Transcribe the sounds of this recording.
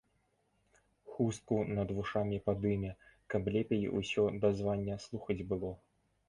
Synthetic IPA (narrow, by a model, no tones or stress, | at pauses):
xust̪̚kunɐd̪vuʂamʲipad̪ɨmʲɛkɐblʲɛpʲejḭṵsʲɔd̪azvanʲːɐslˠuxɐd͡zʲbɨlˠɔ